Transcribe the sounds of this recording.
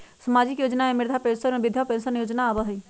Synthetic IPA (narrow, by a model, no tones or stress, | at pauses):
səmaːd͡ʒɪkjoːd͡ʒnaemɪɾd̪ʱapẽnsənbɪd̪ʱjapẽnsənjoːd͡ʒnaːbəɦi